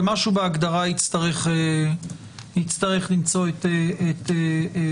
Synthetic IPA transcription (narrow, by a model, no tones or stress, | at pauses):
maʃubeaɡd̪aʁait͡st̪aʁeχe | it͡st̪aʁeχlimt͡so̞et̪eet̪e